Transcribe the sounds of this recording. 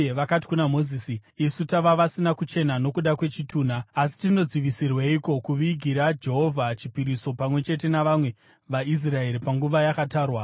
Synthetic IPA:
eʋakati̥kunamo̞ziːsiisutaʋaʋasinakut͡ʃe̞nano̞kuɗakwe̞t͡ʃitʰuːn̤aːsi̥tino̞d͡ziʋisirweiko̞kuʋiɡʱiɾad͡ʒe̞ɦovʱat͡ʃipiɾiso̞pamwe̞t͡ʃe̞t̬e̞naʋamwe̞ | ʋais̬rae̞ɾipaŋɡuʋajakataːrwa

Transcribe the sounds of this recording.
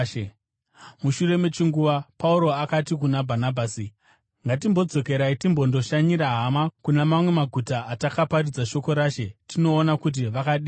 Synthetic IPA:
muʃure̞met͡ʃiŋɡuʋapauɾo̞akatik̬unabʱanabʱaːsi | ŋɡat̬imbo̞d͡zo̞ke̞ɾaitimbo̞ndo̞ʃaɲiɾaɦamakunemamwe̞maɡʱutaʔːtakaparid͡zaʃo̞ko̞ɾaːʃe̞tino̞ːnakut̬iʋakaɗiː

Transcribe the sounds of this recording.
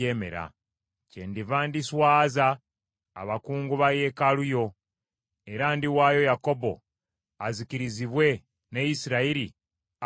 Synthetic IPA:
eːme̞̰ɾa̰ | cendivaːndiswaːza̰ː | βakuːŋɡuβaje̞ːkalujo̞ | e̞ɾandiwaːjo̞jako̞bo̞̰ | azikiɾiziβwe̞ | nejisiɾaiɾi

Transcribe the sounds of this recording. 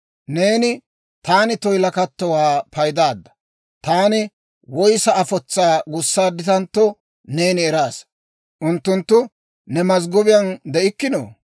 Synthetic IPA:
ne̞ːnɪ | t̪aːnɪt̪ɔjlɐkɐt̪ːɔwaːpɐjd̪aːd̪ːɐ̥ | t̪aːnɪ | wɔjsɐɐfɔt͡sːaːɡʊsːaːd̪ɪt̪ɐnt̪ːɔ | ne̞ːnɪɛɾaːs | ʔʊnt̪ːʊnt̪ːʊ | nɛmɐzɡɔbɪjɐnd̪ɛʔɪkːɪno̰ː

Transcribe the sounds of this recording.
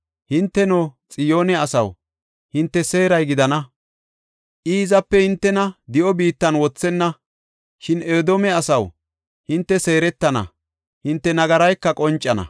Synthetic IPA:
hɪnt̪ːɛnoːt͡sʼɪjo̞ːnɛɐsɐ̰w | hɪnt̪ːɛse̞ːɾɐjɡɪd̪ɐnɐ | ʔiːzɐpːɛhɪnt̪ːɛnɐd̪ɪʔɔbiːt̪ːɐnwɔt͡sːɛnːɐ | ʃɪneːd̪omɛɐsɐw | hɪnt̪ːɛse̞ːɾɛt̪ːɐnɐ̰ | hɪnt̪ːɛnɐɡɐɾɐjkːɐkʼɔnt͡ʃʼːɐnɐ̰

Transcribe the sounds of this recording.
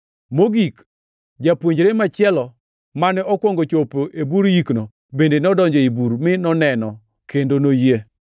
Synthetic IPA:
moɡik | d͡ʒapwoɲd͡ʒɾemat͡ʃɪɛlɔ | manɛɔkwɔŋɡot͡ʃopoʔebuɾjikno | bendenɔdɔɲd͡ʒɔibuɾmɪnɔnɛnɔ | kendonoje

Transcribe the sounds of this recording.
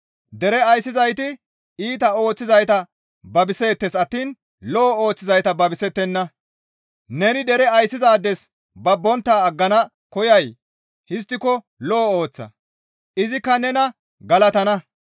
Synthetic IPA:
d̪ɛɾɛɐjsːɪzɐjt̪ɪ | iːt̪ɐo̞ːt͡sːɪzɐjt̪ɐ | bɐbɪse̞ːt̪ːɛsɐt̪ːiːn | lɔɔo̞ːt͡sːɪzɐjt̪ɐbɐbɪsɛt̪ːɛnːɐ | nɛnɪd̪ɛɾɛɐjsːɪzaːd̪ːɛs | bɐbːɔnt̪ːaːɐɡːɐnɐ | kɔjɐj | hɪs̬t̪ːɪkɔ | lɔːoːt͡sːɐ̰ | ʔɪzɪkːɐnɛnɐ | ɡɐlɐt̪ɐnɐ

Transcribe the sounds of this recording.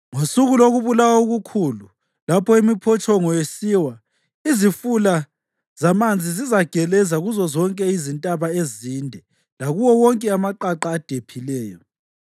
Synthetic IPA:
ŋosuɣuloɣuβulawauɣukʰulu | lapʰɔimipʰɔt͡ʃʰʼɔŋɔjesiwa | izifula | z̥amand͡zʱizizaɡ̥ʱɛlɛzaɣuzɔzɔŋkʼɛizintʼaβaezindʱɛ | laɣuwɔwɔŋkʼɛamaǃaǃaːd̥ʱepʰilɛːjɔ

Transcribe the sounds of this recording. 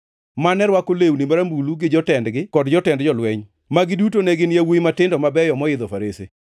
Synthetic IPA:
manɛɾwakolewnimaɾambuluɡɪd͡ʒɔtɛndɡɪkɔdd͡ʒɔtɛndd͡ʒɔlwɛɲ | maɡɪdutonɛɡɪnjawujmatɪndɔmabɛjɔmɔɪd̪ɔfaɾesḛ

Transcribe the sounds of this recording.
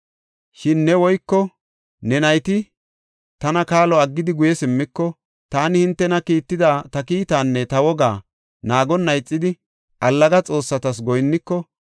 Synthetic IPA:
ʃɪnːɛwɔjkːɔ | nɛnɐjt̪ɪ | t̪ɐnɐkaːlɔɐɡːɪd̪ɪɡʊjɛsɪmːɪkːɔ | t̪aːnɪhɪnt̪ːɛnɐkiːt̪ːɪd̪aːt̪ɐkiːt̪aːnːɛt̪ɐwɔɡaː | naːɡɔnːɐjt͡sʼːɪd̪ɪ | ʔɐlːɐɡɐt͡sʼo̞ːsːɐt̪ɐs̬ɡɔjnːɪkːɔ

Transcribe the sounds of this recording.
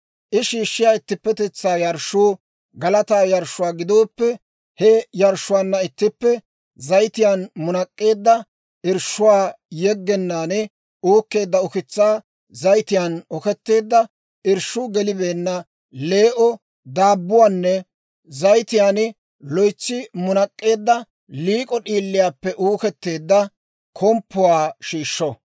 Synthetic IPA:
ʔɪʃiːʃːɪjaːɪt̪ːɪpːɛt̪ɛt͡sːaːjɐɾʃʊː | ɡɐlɐt̪aːjɐɾʃʊwaːɡɪd̪o̞ːpːɛ | hɛjɐɾʃːʊwaːnːɐɪt̪ːɪpːɛ | zɐjt̪ɪjaːnmʊnɐkʼːe̞ːd̪ːɐ | ʔɪɾʃʊwaː | jɛɡːɛnːaːnɪ | oːkːe̞ːd̪ːɐɔkɪt͡sːaː | zɐjt̪ɪjanɔkɛt̪ːe̞ːd̪ːɐ | ɪɾʃʊɡɛlɪbe̞ːnːɐ | le̞ːʔɔ | d̪aːbːʊwaːnːɛ | zɐjt̪ɪjaːnɪ | lɔjt͡sːɪmʊnɐkʼːe̞ːd̪ːɐ | liːkʼɔɗiːlːɪjaːpːɛʔuːkɛt̪ːeːd̪ːɐ | kʰɔmpːʊwaːʃiːʃːɔ

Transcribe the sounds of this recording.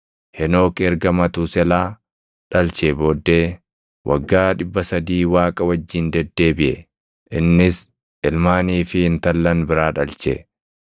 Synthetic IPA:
hɛno̞ːkɛɾɡɐmɐt̪ʊsɛlaː | ᶑɐlt͡ʃeboːd̪ːe̞ː | wʔɐ̰ɡːaːᶑɪbːɐsɐd̪iːwaːkʼɐwɐd͡ʒːɪnd̪ɛd̪ːe̞ːbɪʔɛ | ʔɪnːɪs | ʔɪlmaːniːfɪɪnt̪ɐlːɐnbɪɾaːᶑɐlt͡ʃɛ̰

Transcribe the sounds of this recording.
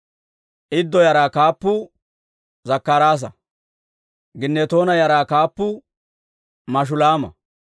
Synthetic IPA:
ʔɪd̪ːɔjɐɾaːkaːpːʊ | zɐkːaɾaːs̬ɐ | ɡɪnːɛt̪o̞ːnɐjɐɾaːkaːpːʊ | mɐʃ̬ʊlaːmɐ̰

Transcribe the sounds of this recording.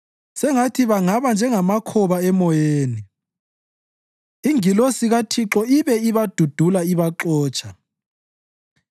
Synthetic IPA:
sɛŋatʰiβaŋaβand͡ʒʱɛŋamakʰɔβaɛmɔjeːni | iŋilosiɣatʰiǁɔiβɛiβad̥ʱud̥ʱulaiβaǁɔːt͡ʃʰʼa

